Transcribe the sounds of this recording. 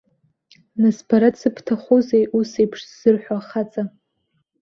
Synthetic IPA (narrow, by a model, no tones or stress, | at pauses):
naspʰaɾasɨpʰtʰaχozejʔusejpʰʂz̥ɨrħʷᶣaχat͡sʼa